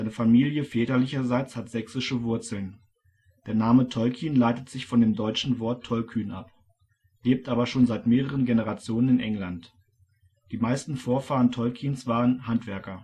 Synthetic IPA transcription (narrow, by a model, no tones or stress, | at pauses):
aɪnəfamiːljəfɛːtɐlɪçɐzaɪt͡shatz̥ɛksɪʃəvʊɐt͡sl̩n | d̥eːɐnaːmətʰɔlkʰiːnlaɪtətz̥ɪçfɔndeːmdɔʏt͡ʃn̩vɔɐtʰːɔlkʰyːnʔa̰p | leːp̚tʔaːbɐʃoːnzaɪtmeːʁ̞əʁ̞ənɡenəʁat͡sjoːnənɪnʔɛŋlant | d̥iːmaɪstn̩foːɐfaːʁəntʰɔlkʰiːnsv̥aːʁ̞ənhantv̥ɛɐkɐ